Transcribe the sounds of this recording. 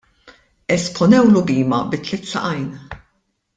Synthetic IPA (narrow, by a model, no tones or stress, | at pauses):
ɛspʰɔnɛwlʊbiːmɐbɪt̪ːlɪt̪sɐ̰ʔɐjn